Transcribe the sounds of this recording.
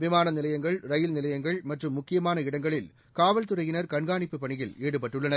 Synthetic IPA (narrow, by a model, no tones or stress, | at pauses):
ʋɪmaːnɐnɪlɐjɐŋɡɐɭɾɐjɪlnɪlɐjɐŋɡɐɭmɐʈrɯmːʊkːɪjɐmaːnɐɪɽɐŋɡɐɭɪl | kaːʋɐlt̪ɯrɐjɪnɐɾkɐɳɡaːɳɪpːɯpːɐɳɪjɪleːɽɯpɐʈːɯɭːɐnɐ